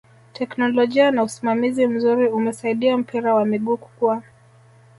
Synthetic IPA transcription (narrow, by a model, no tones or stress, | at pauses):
tʰɛknɔlɔʄianausimamizim̩zuɾiumɛsaiɗiam̩piɾawamiɠuːku̥kua